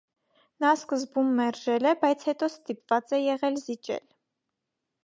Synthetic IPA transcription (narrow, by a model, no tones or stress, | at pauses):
nɑskəzbumːɛɾʒɛlɛbɑjt͡sʰhɛt̪ɔst̪ipvɑt͡sɛjɛʁɛlzit͡ʃɛ̰l